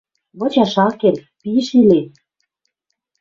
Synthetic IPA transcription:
βŏt͡ɕɑʃɑkel | piʃiles

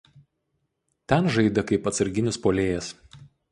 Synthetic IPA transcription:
t̪ʲɛnʒɐɪd̪ɐkɐɪpɐt̪sɐɾʲɡʲɪnʲɪspoːlʲeːjɛs

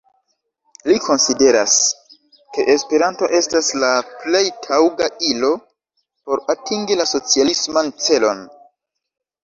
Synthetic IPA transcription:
likʰo̞nside̞ɾa̰s | ke̞ʔespe̞ɾanto̞ʔe̞staslaple̞jtʰawɡailo̞ | po̞ɾatiŋɡilaso̞t͡sialismant͡se̞lo̞n

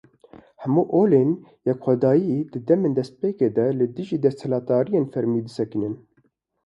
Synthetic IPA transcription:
hɛmuːʔoːleːnjɛkxʷɛd̪ɑːjid̪ɨd̪ɛmeːnd̪ɛst̪̚peːkeːd̪ɛlɨd̪ɨʒiːd̪ɛst̪hɨlɑːt̪̚d̪ɑːɾijeːnfɛɾmiːd̪ɨsɛkɨnɨn

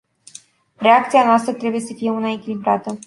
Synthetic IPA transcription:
re̞ak̚t̪sianoast̪ɾət̪ɾe̞buje̞səfije̞unaekʲilibɾat̪ə

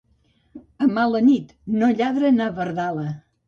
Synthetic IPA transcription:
əmalənit̪noʎaðɾənaβəɾðalə

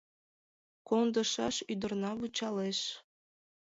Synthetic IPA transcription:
kond̪ɤ̆ʃɑʃyd̪ɤ̆rnɑβut͡ɕɑleʃ

